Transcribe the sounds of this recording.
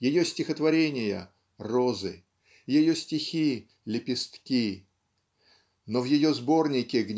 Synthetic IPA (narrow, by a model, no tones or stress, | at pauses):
jɪjosʲtʲɪxət̪vɐɾʲenʲɪjə̰ | rozɨ | jɪjo̞sʲtʲɪxʲi | lʲɪpʲɪst̪kʲi | novjɪjo̞zbo̞rnʲɪkʲɪɡnʲ